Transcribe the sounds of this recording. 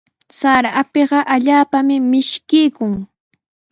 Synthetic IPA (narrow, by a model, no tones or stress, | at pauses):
saɾapeɢɑʔaʎaːpamɪmɪʃkɪjkʊŋ